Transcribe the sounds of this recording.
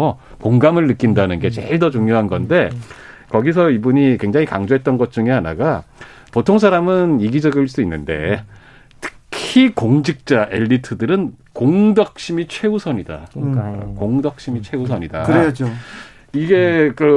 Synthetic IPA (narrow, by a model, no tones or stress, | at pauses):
o | koŋɡamɯɭnɯk͈indanɯnɡe̞t͡ɕḛɭdʌt͡ɕuŋjoɦanɡʌnde̞kʌɡisʰʌibuɲikwe̞ŋd͡ʑaŋikaŋd͡ʑoɦe̞t̚t͈ʌnɡʌt̚t͡ɕ͈uŋeanaɡa | potʰoŋsʰaɾamɯniɡid͡ʑʌɡɯɭs͈uinːɯnde̞̰ | tʰɯ̥kʰikoŋd͡ʑik̚t͡ɕ͈aʔe̞̰ʎːitʰɯdɯɾɯnkoŋdʌk̚ɕ͈imit͡ɕʰwe̞usʰʌɲida̰ | koŋdʌk̚ɕ͈imit͡ɕʰwe̞usʰʌɲidaɾed͡ʑo | iɡe̞kɯ